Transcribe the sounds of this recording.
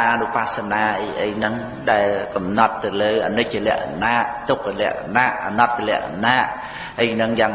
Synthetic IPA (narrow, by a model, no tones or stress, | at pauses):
ʔnɨpasanaːʔəjʔə̰jnɨŋ | ɗaɛlkɑmnɑt̪ːɨwləːʔanɨc̚t͡ɕəlɛ̆əʔkanaːʔt̪uk̚lɛ̆əʔkanaːʔʔanɑt̪̚ːlɛ̆əʔkanaːʔ | ʔəjnɨŋjaːŋ